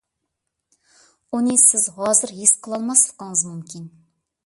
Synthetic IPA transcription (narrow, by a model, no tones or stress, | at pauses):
unisɪzhɑzɨɾjesqʰəlˠɑlˠmɑslˠə̥qɑɴəzmumkʲʰin